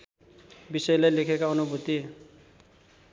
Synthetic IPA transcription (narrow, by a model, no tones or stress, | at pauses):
bisʌjlajlekʰekaʌnubʱut̪i